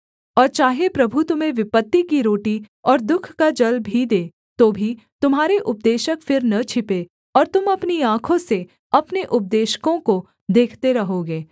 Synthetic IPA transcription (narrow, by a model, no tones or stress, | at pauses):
ɔːɾt͡ʃaːɦepɾɐbʱut̪ʊmẽʋɪpət̪ːikiɾoːʈi | ɔːɾd̪ʊkʰkad͡ʒɐlbʱid̪eː | t̪oːbʱi | t̪ʊmɦaːɾeʔʊp̚d̪eːʃəkfɪɾnɐt͡ʃʰɪpe | ɔːɾt̪ʊmɐpniãːkʰõse | ɐpneʔʊp̚d̪eːʃkõko | d̪eːkʰt̪eɾɐɦoɡeː